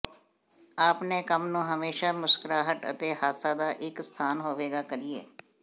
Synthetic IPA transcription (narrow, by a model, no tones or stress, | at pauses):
aːpnẽːkəmnũːɦəmeːʃaːmʊskəɾaːɦəʈə̰t̪eːhaːsaːd̪aːʔɪkst̪ʰaːnɦoːʋeːɡaːkəɾiḛː